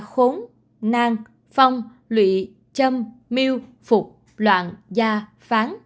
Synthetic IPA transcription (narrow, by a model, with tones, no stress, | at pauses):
xo˨˦n | naː˧ŋ | fa˧wŋ͡m | lwḭ˧˨ | t͡ɕə˧mː | i˧w | fʊ˨˩k͡p̚ | lwa̰ː˧˨nzaː˧ | faː˨˦n